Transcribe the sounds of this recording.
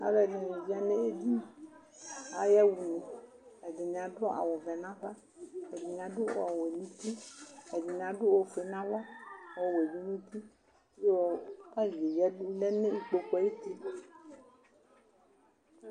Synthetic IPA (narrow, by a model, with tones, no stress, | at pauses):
a̰˨vɛ˨de˨ɲĩ˨d͡ʒi˦a˨nẽ˦e˦di˦ | a˨jɛ˦wu˨nũ˨ | e˨de˨nĩ˨a˨dɔ˦ʔa̰˨wɔ˨vɛ˨nã˦va˦ | e˨de˨nĩ˨ã˨ɖu˦˨we˨nũ˦t̪i˦e˨de˨nĩ˨ã˨ɖu˦wo˦fe˨nã˦wa˦o˨we˨d͡ʒũ˦nũ˦t̪i˦ | e˦wo˨a˦˨ɡe˨jɛ˦ɖu˦lɛ˦nẽ˦i˨k͡po˨k͡pɔ˦e˦t̪i˦